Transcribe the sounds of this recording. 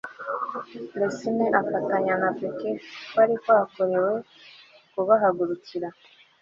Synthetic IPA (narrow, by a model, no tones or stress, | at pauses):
besineʔafataɲanapekekwaɾikwaːkoɾewe | kuβaɦaɡuɾuciɾa